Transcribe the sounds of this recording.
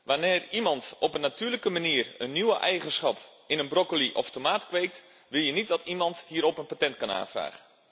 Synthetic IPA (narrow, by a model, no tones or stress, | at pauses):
ʋanɪːrimɑntʔɔpənːatyːləkəmaniərənːiwəʔɛjɣənsχɑp | ɪnənbrokoliʔɔftomaːtkʋeːk̚t | ʋɪlˠjənit̚dɔtʰimɑnthiːəɾɔpənpatɛntkana̰ːnfra̰ːɣə